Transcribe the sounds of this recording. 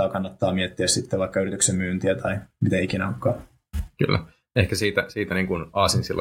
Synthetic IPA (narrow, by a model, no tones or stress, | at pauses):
ɑːkɑnːɑt̪ːɑːmiet̪ːiæssit̪ːeʋɑikːɑyrit̪yksemmyːnt̪iæt̪ʰɑimit̪æikinæokːɑː | ky̰lːæ̰ | ehkæsiːt̪æsiːt̪æniːŋkunɑːsinsilː